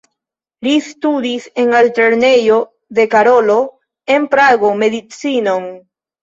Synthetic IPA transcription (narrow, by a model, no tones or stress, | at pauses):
listud̪ise̞ŋalte̞ɾne̞jo̞ | d̪e̞kaɾo̞lo̞ | e̞npɾaɡo̞me̞d̪it͡sino̞n